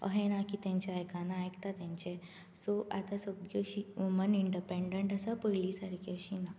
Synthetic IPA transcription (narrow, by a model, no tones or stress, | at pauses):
ə̰ɦenakit̪ẽɲt͡ɕaajkanãːjkt̪at̪ɛ̃ɲt͡ɕe | sɔʔa̰t̪asəbjoɕiʋuməniɳɖipẽɳɖəɳʈəsapəilisaɾkiəɕina